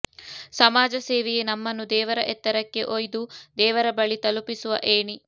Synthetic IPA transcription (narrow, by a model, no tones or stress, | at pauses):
sɐmaːd͡ʒɐseːʋejenɐmːɐnːud̪ɛːʋɐɾɐʔɛt̪ːɐɾɐkːe̞̰ʔojd̪ud̪ɛːʋɐɾɐbɐɭit̪ɐlupisuʋɐ̰ʔeːɳi